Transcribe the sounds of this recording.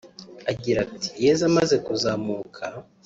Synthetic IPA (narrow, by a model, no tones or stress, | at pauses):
aɡiɾatʰi̥je̞zamaze̞kuzaːmuːkʰa